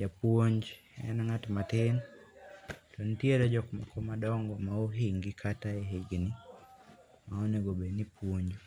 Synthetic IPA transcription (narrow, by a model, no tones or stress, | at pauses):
d͡ʒapwoɲd͡ʒ | ɛ̰nŋatmatɪn | tɔnitjeɾɛd͡ʒɔkmakʰɔmadɔŋɡɔmaoɦiŋɡɪkʰataeɦeɡni | maoneɡobenipwoɲd͡ʒo